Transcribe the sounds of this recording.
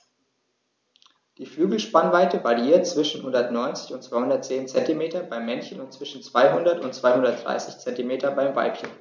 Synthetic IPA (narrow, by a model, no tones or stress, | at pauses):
d̥iːflyːɡl̩ʃpanvaɪtəvaʁiiːɐt̚t͡sv̥ɪʃn̩hʊndɐtnɔʏnt͡sɪ̥çʊntt͡sv̥aɪhʊndɐtt͡seːnt͡sɛntimeːtɐbaɪmːɛnçənʊntt͡sv̥ɪʃn̩t͡sv̥aɪɦʊndɐtʊntt͡sv̥aɪhʊndɐt̚d̥ʁa̰ɪsɪçt͡sɛntimeːtɐbaɪmva̰ɪpçən